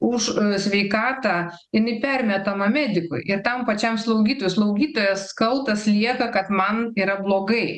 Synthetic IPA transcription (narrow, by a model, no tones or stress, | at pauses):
ʊʃsʲʋʲɛɪkɑːt̪ɑː | ɪnʲɪpʲærʲmʲɛt̪ɐmɐmʲæːd̪ʲɪkʊ̰ɪɪɾt̪ɐmpɐt͡ʃʲɛmslˠɐʊɡʲiːt̪oːjʊslˠɐʊɡʲiːt̪oːjɛsːkɐlˠt̪ɐslʲiɛkɐkɐt̪mɐniːɾɐblˠoːɡɐɪ